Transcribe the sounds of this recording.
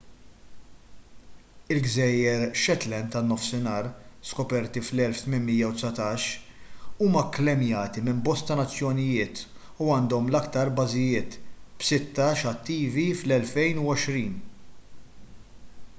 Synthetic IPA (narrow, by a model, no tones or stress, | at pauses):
ɪlɡzɛjːɛɾʃɛt̪lɛnt̪ɐnːɔfsɪnɐːɾskɔpɛɾt̪iflɛlft̪mɪnmijːɐwt̪sɐt̪ɐːʃ | uːmɐklɛmjɐːt̪imɪmbɔst̪ɐnɐt͡sːjɔnɪjɪːt̪ | uɐːnd̪ɔmlɐkt̪ɐɾbɐzɪjɪːt̪b̥sɪt̪ːɐʃɐt̪ːiːviflɛlfɛjnuɔʃɾiːn